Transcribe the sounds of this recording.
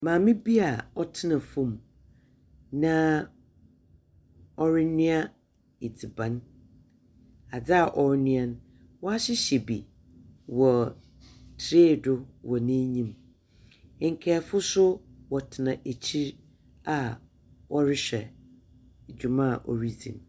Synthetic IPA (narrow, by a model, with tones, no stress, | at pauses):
mãː˨mɪ̃˦bi˦a˨ɔ˦tʰɪ˦nã˨fũ˦˨m | nã˦ | ɔ˦ɾɪ˦nĩ˦a˦ | e˨d͡zi˨bã˨n | a˨d͡zɪ˦a˨ʔɔ˨ɾnʊ̃˦ɛ̃˦n | wɔ˦a˦ɕɪ˦ɕɛ˨bḭ˨ | wɔ˨ | tʰɾe˦˨dʊ˦wɔ˨nĩ˦ɲĩ˦m˨ | ŋ̩˨kʰɛ˨˦˨fʊ˦sʊ˦wɔ˨tʰɪ˨nã˨ʔe˨t͡ɕʰi˦ɾ | a˨ | wʔɔ˦ɾɪ˦ɕᶣɛ˨ | d͡ʑᶣu˨mã˦˨ʔo˨ɾi˦d͡zḭ̃˨n